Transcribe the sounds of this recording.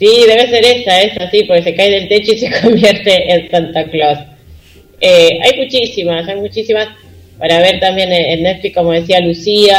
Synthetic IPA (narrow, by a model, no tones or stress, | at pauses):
siðe̞βe̞se̞ɾe̞saesasipoɾkese̞kaeðe̞lt̪e̞t͡ʃoisekʰombje̞ɾt̪e̞ʔensant̪aklos | ea̰jmut͡ʃisimasajmut͡ʃisimas | paɾaβe̞ɾt̪ambje̞nenːet̪flikkːo̞moð̞e̞s̬ialusia